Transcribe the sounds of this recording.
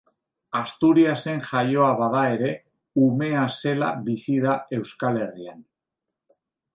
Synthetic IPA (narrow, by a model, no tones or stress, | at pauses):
ast̪uɾiase̞ŋʝajo̞aβað̞ae̞ɾe̞ | ume̞ase̞la̰βisið̞ae̞wskale̞rian